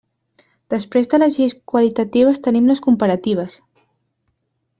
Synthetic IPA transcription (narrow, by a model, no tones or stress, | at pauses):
d̪̥əspɾezðələzʒeskwəlit̪ət̪iβ̞əst̪ənimləskumpəɾət̪iβ̞əs